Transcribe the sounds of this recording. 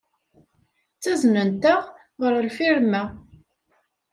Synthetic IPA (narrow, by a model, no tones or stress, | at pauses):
t͡sːæznənt̪əʁ | ʁəɾəlfiɾmæ